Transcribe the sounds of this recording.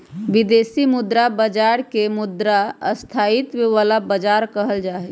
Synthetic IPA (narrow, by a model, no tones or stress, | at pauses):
ʋid̪esimud̪ɾabəd͡ʒaɾkemud̪ɾaə̰st̪ʰait̪beʋalabəd͡ʒaɾkəɦəld͡ʒaɦɛt͡ʃ